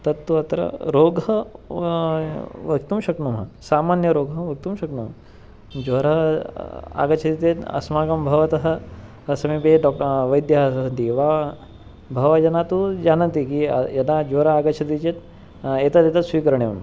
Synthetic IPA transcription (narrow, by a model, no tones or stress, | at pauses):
t̪ɐt̪ːuɐt̪ɾɐ̰ɾoːɡɦɐ | ʋɐkt̪umʃɐknumɦɐ̰saːmaːnjɐɾoːɡʱɐʋɐk̚t̪umʃɐknumɐ | d͡ʒʋoɾɐ | a̰ɡɐt͡ʃʰɐt̪it̪et̪ɐ̰smaːkɐmbʱɐʋɐt̪ɐɦɐ̆ | ɐsɐmipeɖɔk̚ʈʋɐjd̪jɐɦasɐɦɐt̪iʋa | bʱɐʋɐd͡ʒɐnat̪ud͡ʒanɐnt̪ikḭjɐnad͡ʒoɾɐaːɡɐt͡ʃʰɐt̪̬it͡ʃet̪ | et̪at̪et̪asʋiːkəɾɳeṵɳ